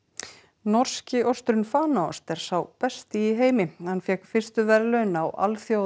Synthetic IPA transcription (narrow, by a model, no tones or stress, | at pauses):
nɔɾ̥scɪʔɔst̪ɾʏnfaːnaɔ̰st̪ɛɾ̥sawpɛst̪ɪːɦeːjmɪhanːfjɛkfɪr̥st̪ʏvɛɾlœnawʔa̰lθjo